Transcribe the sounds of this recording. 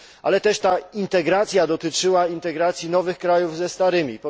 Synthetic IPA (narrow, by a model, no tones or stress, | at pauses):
ʔa̰lɛt̪ɛʂt̪aint̪ɛɡɾat̪sʲjad̪ɔt̪ɘt͡ʂɘwaint̪ɛɡɾat̪sʲjinɔvɘxkɾajuvzɛst̪aɾɘmʲipɔ